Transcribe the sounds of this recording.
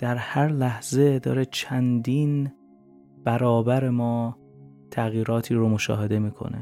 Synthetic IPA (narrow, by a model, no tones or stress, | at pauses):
d̪̥æɾhæɾlæhze̞d̪ɒ̰ːɾet͡ʃʰænd̪iːn | b̥æɾɒːbæɾe̞mɒː | t̪ʰæɣjiːɾɒːt̪ʰiːɾomoʃɒ̰ːɦe̞d̪e̞miːkʰo̰nḛ